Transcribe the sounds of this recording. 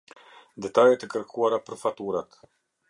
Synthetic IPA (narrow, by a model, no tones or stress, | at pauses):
d̪ɛt̪ajɛt̪əkəɾkʰuaɾapəɾfat̪uɾat̪